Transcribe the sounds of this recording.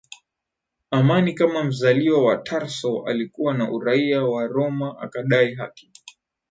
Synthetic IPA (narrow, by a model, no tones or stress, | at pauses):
amanikamam̩zaliwawatʰaɾsɔa̰likuwanaʔuɾaiawaɾɔmaʔakaɗaiɦa̰ki̥